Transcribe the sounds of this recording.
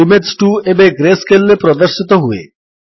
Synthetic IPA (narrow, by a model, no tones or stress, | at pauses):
imeɖsʈuebeɡɾeskelːepɾɔd̪oɾʃit̪oɦuḛ